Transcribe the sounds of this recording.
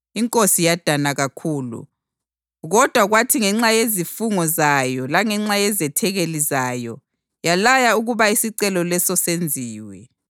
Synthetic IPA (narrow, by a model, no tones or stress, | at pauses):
iŋkʼosijad̥ʱanaɣakʰuːlṵ | ɣɔd̥ʱwaɣwatʰiŋɛŋ͡ǁajezifuŋɔzajɔlaŋɛŋ͡ǁajɛzɛtʰɛɣelizaːjɔ̰ | jalajauɣuβaisiǀɛlɔlɛsɔsend͡zʱiːwɛ